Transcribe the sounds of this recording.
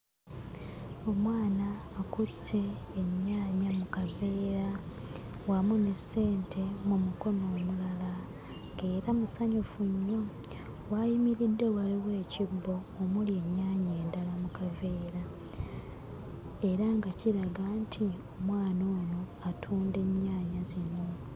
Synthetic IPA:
o̞mwaːnaːkute̞ːɲːaːɲamukave̞ːɾa | wamunese̞ːntʰe̞mumuko̞no̞ːmulala | ŋɡe̞ːɾamusaɲufuɲːo̞ | wajimiɾidːe̞waliwe̞ːciɡːo̞ːmulje̞ɲːaːɲeːndalamukave̞ːɾa | e̞ɾaŋɡaciɾaɡantʰiomwaːnoːno̞atʰuːnde̞ɲːaːɲazino

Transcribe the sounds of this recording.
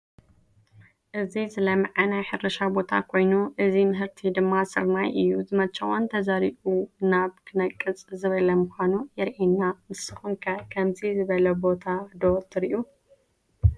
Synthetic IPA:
ʔɨzizɨlɐmɐʕanajħɨɾɐʃabo̞t̪ʰa̰kʰo̞jnuʔɨzimɨɦɨɾt̪ʰid̪ɨmːasɨɾmajʔɨjːuzɨmɐt͡ʃːɐwont̪ʰɐzaɾibunaβkʰɨnɐkʼːɨt͡sʼzɨβɐlɐmɨxʷanujɛɾʔenːamɨsɨxuŋkʰɐkʰɐmzizɨβɐlɐbo̞t̪ʰad̪ot̪ʰɨɾiʔu

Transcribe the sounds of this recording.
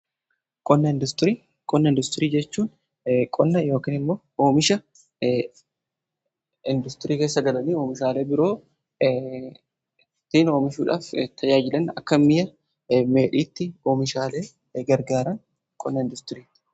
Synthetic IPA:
kʼɔnːɐɪnd̪ʊst̪ɾiː | kʼɔnːɐɪnd̪ʊst̪ɪɾiːd͡ʒɛt͡ʃːuːn | kʼɔnːɐjo̞ːkiːnɪmːoːoːmɪʃɐ | ɪnd̪ʊst̪ɪɾiːke̞ːsːɐɡɐlɐniːoːmɪʃaːle̞ːbɪɾo̞ː | t̪iːno̞ːmɪʃuːᶑaːft̪ʰɐd͡ʒaːd͡ʒɪlɐnɐ̰kːɐmːɪjɐ | me̞ːᶑiːt̪ːɪoːmɪʃaːle̞ː | ɡɐɾɡaːɾɐn | kʼɔnːɐɪnd̪ʊst̪ɪɾiːt̪ːɪ̥

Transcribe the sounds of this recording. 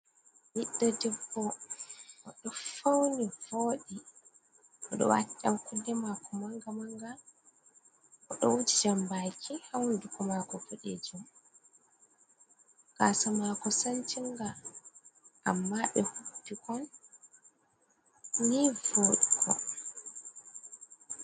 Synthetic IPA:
jiɗːadɛbːɔ | ʔɔɗɔfawnivoːɗi | ʔɔɗɔ̰wa̰tːa̰mkudɛmakɔmaŋɡamaŋɡa | ʔɔɗɔ̰wud͡ʒid͡ʒambakʰihawndukɔmakɔfuɗɛ̰d͡ʒum | kasamakɔsant͡ʃiŋɡa | ʔa̰mːaɓɛhubpːikʰɔn | nivoːɗikʰɔ

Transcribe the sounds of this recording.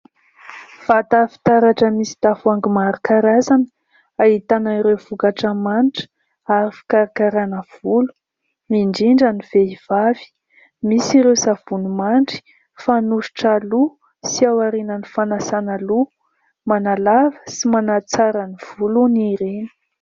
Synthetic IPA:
v̥at̪afi̥t̪aɾaʈ͡ʂəmisi̥d̪̥afuaŋɡimaɾukaɾazanə | aɦit̪anaiɾewvukaʈ͡ʂəmanʈ͡ʂə̥ | aɾifi̥kaɾikaɾanəv̥ulu̥ | miɳɖ͡ʐiɳɖ͡ʐaniv̥eiv̥avi̥ | misiɾewsav̥unumaɳʈ͡ʂi̥ | fanuʃi̥ʈ͡ʂalu | siawaɾinənifanasanalu | manalavə̥simanat͡saɾaniv̥uluniɾeni̥

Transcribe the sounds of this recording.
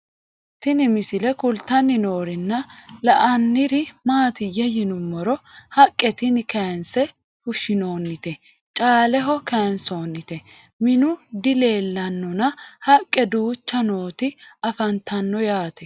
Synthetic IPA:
t̪ɪnɪmɪsɪlɛkʊlt̪ɐnːɪno̞ːɾɪnːɐlɐʔɐnːɪɾɪmaːt̪ɪjɛjɪnʊmːɔɾɔhɐkʼːɛt̪ɪnkɐjnsɛ | hʊʃɪno̞ːnːɪt̪ɛ | t͡ʃʼaːlɛɦɔkɐjnso̞ːnːɪt̪ɛ | mɪnʊd̪ɪle̞ːlːɐnːɔnɐhɐkʼːɛd̪uːt͡ʃːɐno̞ːt̪ɪɐfɐnt̪ʰɐnːɔjaːt̪ɛ

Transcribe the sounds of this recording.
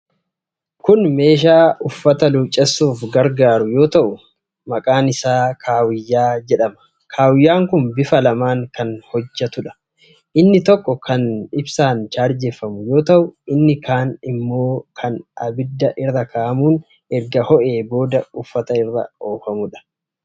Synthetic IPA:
kʊnme̞ːʃ̬aːʊfːɐt̪ɐluːt͡ʃʼːɛsːuːfɡɐɾɡaːɾʊjo̞ːt̪ɐʔʊ | mɐkʼaːnɪsaːkʰaːwɪjːaːd͡ʒɛᶑɐmɐ̥ | kʰaːwɪjːaːŋkʊnbɪfɐlɐmaːŋkɐnhɔd͡ʒːɐt̪ʊᶑɐ̥ | ʔɪnːɪt̪ɔkːɔkʰɐnɪbsaːnt͡ʃaːɾd͡ʒeːfɐmʊjo̞ːt̪ɐʔʊɪnːɪkaːnɪmːo̞ːkʰɐnʔɐbɪd̪ːɐʔɪrːɐkaːʔmuːn | ɛɾɡɐhɔʔe̞ːbo̞ːd̪ɐʊfːɐt̪ɐɪrːɐ̰o̞ːfɐmʊᶑɐ̥

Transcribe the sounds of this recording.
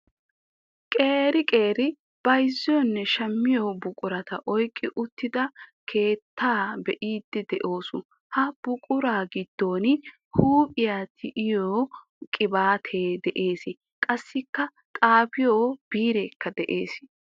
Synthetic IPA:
kʼe̞ːɾɪkʼe̞ːɾɪ | b̥ɐjzːɪjɔnːɛʃɐmːɪjoːbʊkʼʊɾɐt̪ɐ̰ʔɔjkʼːɪʔʊt̪ːɪd̪ɐkʰe̞ːt̪ːaːbɛʔiːd̪ːɪd̪ɛʔo̞ːsʊ | hɐb̥ʊkʼʊɾaːɡɪd̪̥ːo̞ːnɪ | huːpʼɪjat̪ʰɪʔɪjoː | kʼɪbaːt̪ʰeːd̪ɛʔe̞ːsɪ | kʼɐsːɪkːɐ | tʼaːpɪjoːb̥iːɾeːkʰːɐd̪ɛʔe̞̰ːs

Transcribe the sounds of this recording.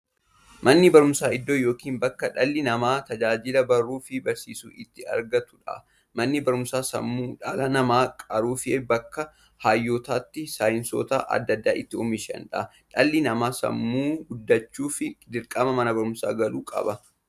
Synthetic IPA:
mɐnːɪbɐɾʊmsaːɪd̪ːoːjo̞ːkiːnbɐkːɐᶑɐlːɪnɐmaːt̪ɐd͡ʒaːd͡ʒɪlɐbɐrːuːfɪbɐɾsḭːsṵːʔɪt̪ːɪɐ̰ɾɡɐt̪ʊ̥ᶑɐ̰ | mɐnːɪbɐɾʊmsaːsɐ̰mːuːᶑɐlɐnɐmaːkʼɐɾuːfɪebɐkːɐ | haːjːoːt̪aːt̪ːɪsaːjɪnso̰ːt̪ɐʔɐ̰d̪ːɐd̪ːa̰ːʔɪt̪ːɪɔmɪʃɛ̰nᶑɐ̰ | ᶑɐlːɪnɐmaːsɐ̰mːuːɡʊd̪ːɐt͡ʃːuːfɪd̪ɪɾkʼɐmɐmɐnɐbɐɾʊmsa̰ːɡɐluːkʼɐ̰bɐ

